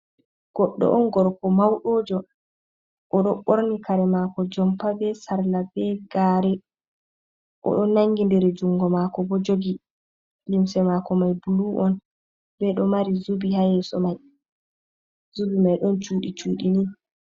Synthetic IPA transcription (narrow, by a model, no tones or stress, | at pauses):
ɡ̥ɔɗːɔ̰ʔɔnɡɔɾkɔmawɗoːd͡ʒɔ | ʔɔɗɔɓoɾnikaɾɛmakɔd͡ʒɔmpabɛsaɾlabɛɡaːɾɛ | ʔɔ̰ɗɔnnːaŋɡindɛɾɛd͡ʒuŋɡɔmaːkɔbɔd͡ʒoɡi | limsɛmakɔmajbuluʔɔn | bɛɗɔmaɾizubihajɛsɔmaj | zubimajɗɔnt͡ʃuːɗit͡ʃuːɗinin